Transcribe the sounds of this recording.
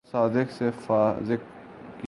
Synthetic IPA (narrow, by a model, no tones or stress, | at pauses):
saːd̪ɪksefazɪkk